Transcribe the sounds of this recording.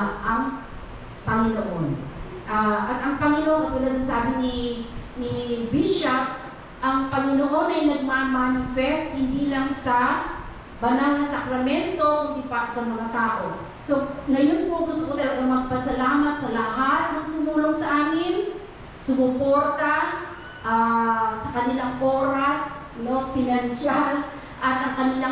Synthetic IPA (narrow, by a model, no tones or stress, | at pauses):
ʔɐŋ | pɐŋɪnoʔo̰n | ʔaʔɐt̪ɐŋpɐŋɪnoʔounɐnɐsaːbɪnɪnɪbiʃap̚ | ʔɐŋpɐŋɪnoʔo̞nʔɐjnɐɡ̚mamanɪfɛst̪hɪnd̪iːlɐŋsɐ | bɐnalnɐsɐkɾɐmɛnt̪o̞kʊŋd̪ɪpat̪sɐmɐŋat̪aːʔo̞ | so̞ŋɐjonpokʊskʊt̪ɛɾʔoŋmɐɡ̚pɐsɐlaːmɐt̪̚sɐlɐɦat̪̚nɐŋt̪ʊmuːlo̞ŋsɐʔaːmɪn | sʊmʊpo̞ɾt̪a | ʔasɐkɐnɪlaŋʔo̞ːɾas | no̞fɪnɐnʃal | ʔɐt̪ʔɐŋkɐnɪla